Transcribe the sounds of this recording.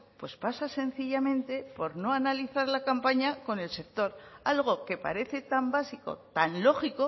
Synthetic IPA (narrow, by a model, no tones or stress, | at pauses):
pwe̞spasase̞n̟θiʎamẽ̞nt̪e̞po̞ɾno̞analiθaɾlakampaɲako̞ne̞lse̞k̚t̪o̞ɾalɣ̞o̞ke̞pa̰ɾe̞θe̞t̪ambasiko̞̰t̪anlo̞xiko̞